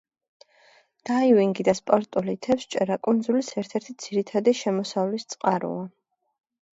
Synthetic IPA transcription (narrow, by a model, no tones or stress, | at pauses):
d̪̥aiviŋɡid̪aspʼɔɾt̪ʼulit̪ʰɛfst͡ʃʼɛɾakʼund̪zulisɛɾt̪ʰɛɾt̪ʰid̪z̥iɾit̪ʰad̪iʃɛmɔsavlist̪sʼqʼaɾṵa